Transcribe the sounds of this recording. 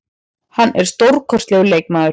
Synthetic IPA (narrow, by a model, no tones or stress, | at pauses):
hanːʔɛɾ̥st̪owɾkʰɔrst̪lɛːɣʏlejk̚maːðʏɾ